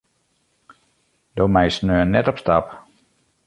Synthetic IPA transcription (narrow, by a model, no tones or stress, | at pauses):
doːmɛjsnøːənɛtɔpstap